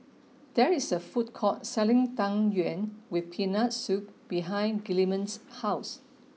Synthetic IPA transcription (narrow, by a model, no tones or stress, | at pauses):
d̥ɛɹisəfut̚kʰɔt̚sɛlĩŋtãŋjuɛ̃nwipʰinasuk̚b̥iɦãj̃nɡilimə̃nshaʊs